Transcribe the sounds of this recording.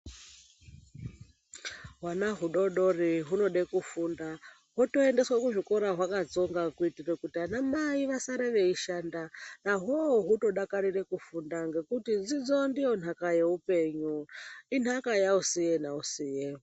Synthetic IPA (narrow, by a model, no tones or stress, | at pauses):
ɦwanaɦuɗo̞ɗo̞riɦuno̞ɗekufunda | ɦoto̞ende̞swakuʐiko̞ɾaɦwakad͡zo̞ŋɡakuitirekutianamaiʋasaɾeʋe̞iʃandanaɦoːɦuto̞ɗakaɾirekufundaŋɡe̞kutid͡zid͡zondijo̞n̤akajeupe̞ɲuin̤akajausijen̤ausiːje